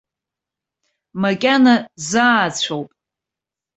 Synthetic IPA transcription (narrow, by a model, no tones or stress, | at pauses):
makʲʼanazaːt͡ɕʷʰowpʼ